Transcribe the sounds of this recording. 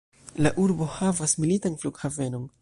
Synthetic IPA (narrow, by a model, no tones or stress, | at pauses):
laʔuɾbo̞havasmilitanfluɡhave̞no̞n